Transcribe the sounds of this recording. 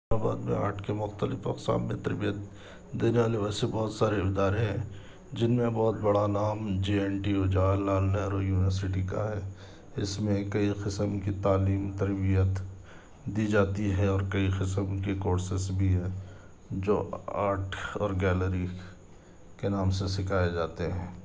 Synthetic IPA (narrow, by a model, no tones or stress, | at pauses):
abaːd̪mḛ̃a̰ːɾʈʰkemʊxt̪əlɪfɐ̰ksa̰ːnmẽt̪ɐɾbijət̪ | d̪eːneʋaːleʋɛːsebɔːt̪saːɾeɪd̪aːɾeɦɛ̃ | d͡ʒɪnmẽbɔːt̪̚bɐɽanaːmd͡ʒiːɛːnʈiod͡ʒaːlːaːlːɛɾojuːnɪʋəɾsɪʈika̰ɦɛː | ɪsmẽkɐiqɪsəmkit̪aːliːmt̪ɐɾbijət̪ | d̪id͡ʒaːt̪iɦɛɔːɾkɐiqɪsəmkekoːɾsɪsbʱiɦɛ | d͡ʒo̰ːa̰ːɾʈʰɔ̰ːɾɡɛːləɾi | kenaːmsesɪkʰaːed͡ʒaːt̪eɦɛ̃ː